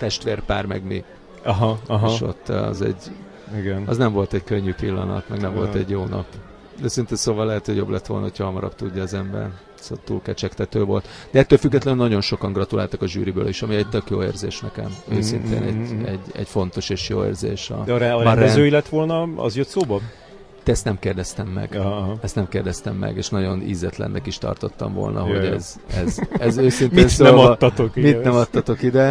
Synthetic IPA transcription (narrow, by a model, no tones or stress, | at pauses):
t̪ɛʃt̪ʋeːrpaːrmɛ̰ɡmi | ɦɦeʃo̞̰t̪ːɒ̰zɛ̰ɟ | iɡɛnɒznɛɱvo̞lt̪ɛɟkøɲːypilːɒnɒ̰t̪mɛɡnɛmvo̞lt̪ɛɟjoːnɒ̰p | d̪ɛsint̪ɛsoːvɒlːɛɦɛt̪hoɟjo̞ːblɛt̪ːʋo̞̰lnɒ̰ɦo̞cʰhɒɦɒmɒɾɒ̰b̚t̪uɟːɒːzɛmbɛ̰r | sot̪ṵːlkɛt͡ʃɛkt̪ɛt̪øːvo̞lt̪d̪̥ɛɛt̪ːøːlfyɡːɛt̪lɛnnːɒɟo̞nʃo̞kɒŋɡrɒt̪ulaːlt̪ɒkɒʒy̰ːɾibø̰ːliʃɒmiɛɟt̪økjoːḛːrzeːʃnɛkɛ̰møːsint̪ḛːnɛɟɛɟːɛ̰ɟfo̞n̪t̪o̞ʃeːʃjoːḛːrzeːʃɒ̰d̪ɛɾɛːɾɾɛøːilɛt̪ʋo̞lnɒɒ̰zjøt̪soːbɒ | t̪ɛɛst̪nɛmkeːrd̪ɛst̪ɛmːɛ̰ɡ̥ɦɦɛst̪nɛmkeːrd̪ɛst̪ɛmːɛ̰ɡeːʃnɒɟo̞nḭzɛt̪lɛ̰nːɛkiʃt̪ɒ̰rt̪ot̪ːɒ̰ɱvo̞̰lnʔɒ̰ɦo̞ɟɛzɛzɛzøːsint̪miːnssoɛːɒːɒt̪okmit̪nɛmɒt̪ːɒt̪o̞kid̪ɛ